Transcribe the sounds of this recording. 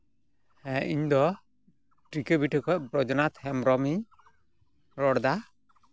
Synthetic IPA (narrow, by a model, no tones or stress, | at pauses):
hɛ̃iɲd̪ɔ | ʈɾikebiʈɛkɔʔ̚bɾɔd͡ʒɔnat̪hɛmɾɔmi | ɾɔɽd̪a